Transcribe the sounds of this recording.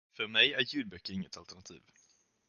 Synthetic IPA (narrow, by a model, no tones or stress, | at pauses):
fœɾmɛjæɾjʉ̟ːd̪̚bœkːəɾɪŋːət̪alt̪æɳat̪ʰḭːv